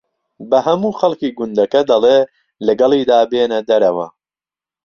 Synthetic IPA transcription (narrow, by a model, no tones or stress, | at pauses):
bɐɦɐmuːxɐlˠkiːɡʊnd̪ɐkɐd̪ɐleː | lɐɡɐlˠiːd̪aːbeːnɐd̪ɐɾɐwɐ̰